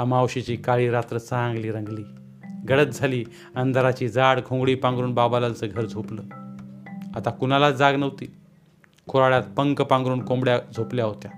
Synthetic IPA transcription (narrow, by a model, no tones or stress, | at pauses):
amawɕit͡ɕiːkaɭiːɾat̪ɾət͡səãŋɡliːɾəŋɡliː | ɡəɽət̪̚d͡zʱaliː | ənd̪ʱaɾat͡ɕiːd͡zaɽɡʱõŋɡɽiːpãŋɡɾuːnbabalalt͡səːɡʱəɾd͡zʱopləː | at̪akunalad͡zaɡnəʋt̪iː | kʰoɾaɭjat̪̚pəŋkpãŋɡɾuːnkõmbɽjad͡zʱopljaɦot̪ja